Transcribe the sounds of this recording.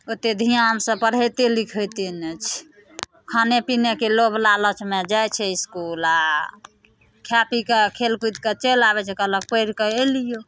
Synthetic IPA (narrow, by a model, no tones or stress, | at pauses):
ot̪ed̪ʱijamsə̃pəɽ̤ət̪elikʰət̪inet͡ʃʰ | kʰanepinekelobʱlalət͡ʃmẽd͡ʒajt͡ʃʰɛiskula | kʰjapikekʰelkut̪ket͡ʃelabɛt͡ʃʰɛkələk̚pəjɾkəelijo